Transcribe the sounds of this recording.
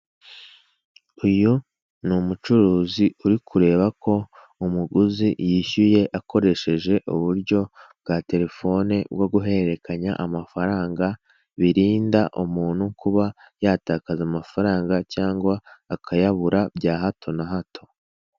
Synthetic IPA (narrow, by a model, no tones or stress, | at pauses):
uju | numut͡ʃuɾuːziuɾikʰuɾe̞ːβakʰo̞ | umuɡuzijiçuje̞ʔako̞ɾe̞ʃe̞ʒe̞ʔuβuɾɟo̞bɡaːte̞ɾe̞fo̞nebɡo̞ɡuɦe̞ɾe̞kaɲa̰ʔamafaɾaːŋɡa | βiɾiːndaʔumuːnhukuβa | jaːtaːkazamafaɾaːŋɡacaːŋɡwaːkʰajaβuɾabɟaːɦatʰo̞naɦatʰo̞̥